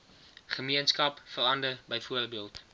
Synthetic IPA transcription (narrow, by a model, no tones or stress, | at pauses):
χəmiənskɐpfərɐndərbəjfuərbiəlˠt